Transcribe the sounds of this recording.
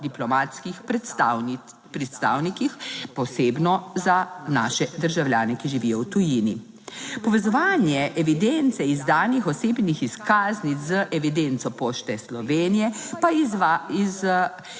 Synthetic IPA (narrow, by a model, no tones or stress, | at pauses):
d̪iplɔmaːt̪skix | pɾɛt̪st̪a̰ːwnikixpɔseːbnɔzanaːʃɛd̪əɾʒawljaːnɛkiʒiʋijɔwt̪ujini | pɔʋɛzɔʋaːnjɛʔɛʋid̪ent̪sɛizd̪aːnixɔseːbnixiskaːznit͡szəʔɛʋid̪ent̪sɔpoːʃt̪ɛslɔʋeːnijɛpaaiz